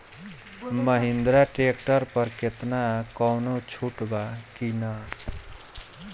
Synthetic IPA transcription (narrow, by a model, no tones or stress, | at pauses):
məɦind̪ɾaʈɾek̚ʈəɾpəɾket̪nakɔwnot͡ʃʰuʈbakina